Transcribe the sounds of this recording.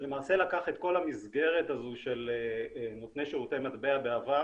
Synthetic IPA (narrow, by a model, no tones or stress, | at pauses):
le̞maːse̞lakaχe̞t̪ko̞lamizɡe̞ʁetazuʃel | not̪neʃiʁut̪emat̪beabeava